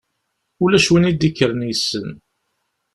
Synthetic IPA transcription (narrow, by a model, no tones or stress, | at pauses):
ulæʃwənid̪ikːəɾənjəsːən